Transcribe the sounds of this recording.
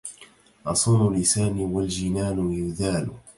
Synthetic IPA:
ʔɑsˤuːnʊlɪsaːnwald͡ʒɪnaːlʊjʊðaːlʊ

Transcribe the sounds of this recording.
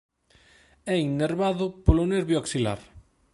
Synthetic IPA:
ɛiŋːeɾβaðʊpoloneɾβjooksila̰ɾ

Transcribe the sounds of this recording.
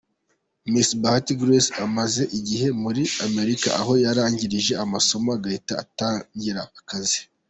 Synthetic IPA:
misbahatiɡɾesamaze̞ʔiɟiɦe̞muɾiame̞ɾika̰ʔa̰ɦo̞jaɾaːɲɟiɾiʒe̞amaso̞moaɡaitaːtaːɲɟiɾaakazi

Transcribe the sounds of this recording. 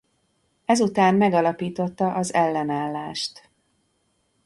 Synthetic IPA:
ɛzut̪aːmmɛɡɒlɒpiːt̪o̞t̪ːɒʔɒzɛlːɛnaːlːaːʃt̪

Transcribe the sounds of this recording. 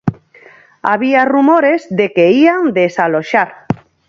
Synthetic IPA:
aβ̞iarumoɾezðekeiand̪esaloʃaɾ

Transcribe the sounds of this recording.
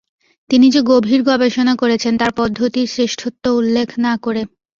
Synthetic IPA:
t̪inid͡ʑeɡobʱiɾɡɔbeʃonakoɾet͡ɕʰent̪aɾpɔd̪ʱːot̪iɾsɾeʃʈʰot̪ːoulːekʰnakoɾe

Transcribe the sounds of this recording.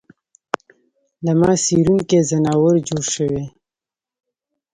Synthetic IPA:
ləmɑːsiɾunkezənɑːwəɾd͡ʒoːɽʃəwe

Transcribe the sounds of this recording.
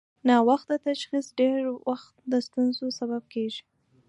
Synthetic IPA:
nɑwaxt̪̚d̪ət̪aʃxisɖeɾwaxt̪̚d̪əst̪unzosabab̚keʒi̥

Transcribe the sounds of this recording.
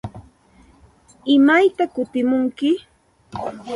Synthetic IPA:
ɪmajt̪akʊt̪ɪmʊŋkɪ

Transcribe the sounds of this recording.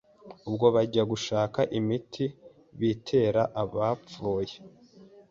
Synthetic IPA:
ubɡo̞βaɟaɡuʃaːkaʔimitʰi | βitʰe̞ːɾaʔaβap͡fuːje

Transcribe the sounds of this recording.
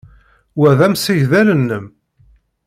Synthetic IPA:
wæðæmsiʝðælənːəm

